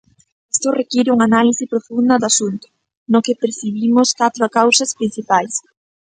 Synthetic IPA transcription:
est̪ʊrekiɾɪuŋanalisɪpɾofund̪ɐðasunt̪ʊ̥ | nʊkepeɾsiβimʊskat̪ɾʊakawsɐspɾinθipajs

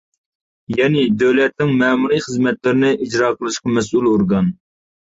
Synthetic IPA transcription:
jɛnɪd̪øwlɛt̪nɪŋmɛːmuɾijχəzmɛt̪lɪɾɪnɪʔid͡ʒɾɑːqʰəlˠɨʃqɑmɛs̬uloɾɡɑn

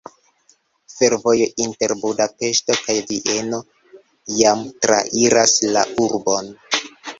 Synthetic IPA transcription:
fe̞ɾvo̞joʔinte̞ɾbudape̞ʃto̞kajviʔe̞no̞ | jamtɾa̰ʔiɾaslauɾbo̞n

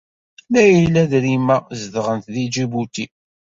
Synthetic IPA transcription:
mæjəlːæðɾimæzðʁənt̪ðid͡ʒibut̪i

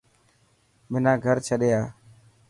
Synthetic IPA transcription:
mɪnãːɡʱəɾt͡ʃʰəɗeːaː

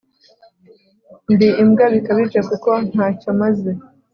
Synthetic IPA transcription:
ndiːmɡaβikaβid͡ʒekuko̞n̥haːcomaze

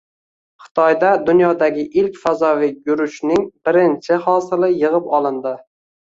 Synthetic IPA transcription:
χɪ̥t̪ʰɒjd̪ad̪ʊnjɒd̪aɡʲɪʔɪlkʲfazɒvɪjʊɾʊʃnɪŋbɪɾɪnt͡ʃʰɪhɒsɪlɪjɨʁɨpɒlˠɪnd̪ɪ

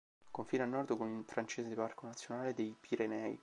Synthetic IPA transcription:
koɱfinanːɔrd̪konilfɾant͡ʃeːsed̪eparkonat̪sːjonaːled̪ejpiɾenɛːḭ

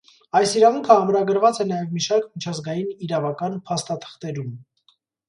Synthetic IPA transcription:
ɑjsiɾɑvuŋkʰəɑmɾɑɡəɾvɑt͡sɛnɑjɛvmiʃɑɾkmit͡ʃʰɑzɡɑjiniɾɑvɑkɑnpʰɑst̪ɑt̪ʰə̥χt̪ɛɾum

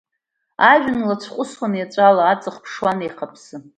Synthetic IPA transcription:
aʒᶣʊnlat͡ɕʷʰqʷʼʊswanjat͡ʃʷʼalaːt͡sʼɨχpʰʂwanejqʰapʰsɨ

